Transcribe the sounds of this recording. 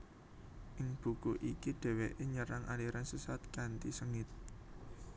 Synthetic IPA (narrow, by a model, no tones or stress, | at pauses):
ʔɪŋb̥ṳkuʔikiɖ̪̥ɛ̤weʔeɲəɾaŋʔaliɾansusat̪̚kant̪isəŋɪt̪̚